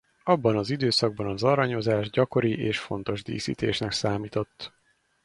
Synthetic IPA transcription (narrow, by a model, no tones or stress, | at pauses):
ɒbːɒnɒzid̪øːsɒɡ̚bɒnɒzɒɾɒɲo̞zaːʒɟɒko̞ɾiʔeːʃfo̞n̪t̪o̞ʒd̪ḭːsḭːt̪eːʃnɛksaːmiːt̪o̞t̪ː